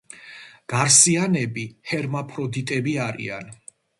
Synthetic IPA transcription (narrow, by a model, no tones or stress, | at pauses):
ɡ̥aɾsianɛbihɛɾmapʰɾɔd̪it̪ʼɛbiaɾḭa̰n